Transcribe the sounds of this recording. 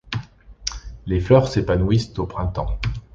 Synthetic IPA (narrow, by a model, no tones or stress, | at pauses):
leflœʁsepanuwist̪opχɛ̃t̪ɑ̃